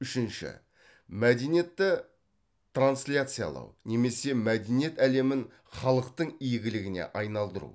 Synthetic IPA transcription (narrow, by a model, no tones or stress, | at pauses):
ʏʃɪnʃɪ̰ | mæd̪e̞jnje̞t̪ːɪ | t̪ranslʲat̪sɨja̰lˠɑ̰wne̞me̞se̞mæd̪enije̞t̪æle̞mɪn | χɑlˠəqt̪əɴijɡʲɪlɪɡʲɪne̞̰ʔɑjnɑlˠd̪əɾṵ